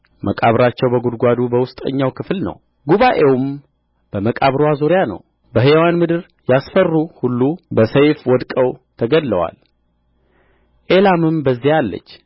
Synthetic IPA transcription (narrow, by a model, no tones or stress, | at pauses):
mʔəkʼaβɾat͡ʃːɛwbəɡud̪ɡʷad̪ubəwʊst̪ʼə̰ɲːawkʰɨflnə̰w | ɡuβaʔewm | b̥əməkʼaβɾwazuɾjanə̰w | bəɦewanmɨd̪ɨɾ | jasfərːuhulːubəsəjfwɔd̪kʼəwt̪ʰəɡəd̪ləwa̰l | ʔe̞lamɨmbəzːihalːə̰t͡ʃː